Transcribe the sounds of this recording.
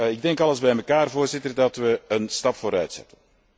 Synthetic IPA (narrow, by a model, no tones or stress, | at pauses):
ɪɡ̚dɛŋkɑləzbɛjməkaːrvoːrzɪtərdɑtʋəənstɑpfoːɾœɥtsɛ̰tən